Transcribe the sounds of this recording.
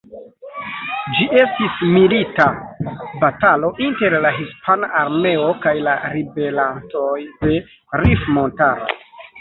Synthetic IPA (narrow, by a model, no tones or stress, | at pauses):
d͡ʒiʔe̞stismilitabatalo̞ʔinte̞ɾlaɦispʰanaʔaɾme̞o̞kajlaɾibe̞lanto̞jde̞ | ɾifmo̞ntaɾo̰